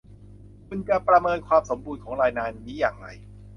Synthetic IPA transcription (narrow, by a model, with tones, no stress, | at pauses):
kʰu˧nt͡ɕa˧˩pɾa˧mɤː˧nkʰwaː˧mso˩˦mbuː˧nkʰɔː˩˦ŋɾaː˧jnaː˧nmiː˦˥jaː˨˩ŋɾa̰˧j